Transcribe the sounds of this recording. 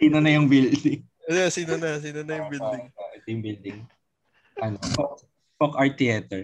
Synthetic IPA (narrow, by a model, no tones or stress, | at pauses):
siːnonɐjʊŋbɪld̪ɪŋ | jɛsiːnonɐs̬iːnonɐjʊŋbɪld̪ɪaʔd̪jʊŋbɪld̪ɪŋ | ʔɐnopok | pokaɹt̪ːiɛt̪ɛɹ